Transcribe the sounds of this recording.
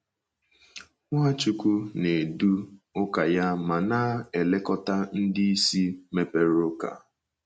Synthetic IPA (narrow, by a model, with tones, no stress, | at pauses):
ŋʷa˦t͡ʃu˦kʷu˦ne˨du˦ʊ˦ka˨ja˦ma˨na˦e˨le˦kɔ˦ta˦n̩˦dɪ˦i˦si˦me˦pe˦ɾʊ˦ka̰˨